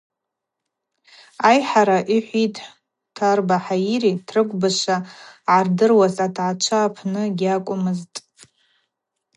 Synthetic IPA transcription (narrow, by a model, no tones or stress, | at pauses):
ajħaɾaʔiħʷitʰʼ | tʰːarbaħaiɾitʰrɨkʷʼbaʂʷaʕardɨrwazatʰʕat͡ʃʷʰaːpʰnɨɡʲakʷʼʊmɨztʼ